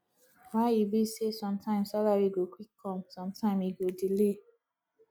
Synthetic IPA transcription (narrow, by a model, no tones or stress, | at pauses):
wajibisesɔ̃mtʰãɪ̃msalaɾiɡokʷikʰɔ̃msɔ̃mtʰãmiɡodile